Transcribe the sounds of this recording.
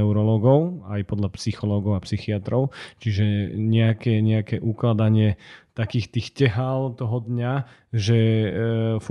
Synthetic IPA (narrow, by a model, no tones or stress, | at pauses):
ɛʊɾɔlɔːɡɔʊajpɔd̪ʎapsixɔlɔːɡɔʊapsixiat̪ɾɔʊt͡ʃiʒɛɲɛakɛɲɛakɛʔuklad̪aɲɪɛt̪akiːxt̪iːxcɛɦalt̪ɔɦɔd̪ɲa | ʒɛ | f